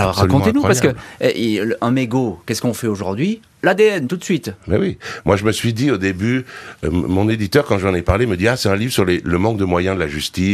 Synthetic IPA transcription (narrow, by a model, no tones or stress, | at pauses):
aɔʁʁːakɔ̃t̪enupasskəɛ̰ʔilʔɛ̃meɡokɛskɔ̃fɛoʒuʁd̪ɥi | lad̪eɛnt̪ut̪sɥit̪mɛ̰wimwaʒəməsɥid̪iod̪eby̰ | mɔ̃ned̪it̪œʁkɑ̃ʒɑ̃nepaʁleməd̪iasɛt̪ɛ̃livʁsyʁleləmɑ̃k̚d̪əmwajɛ̃d̪əlaʒyst̪i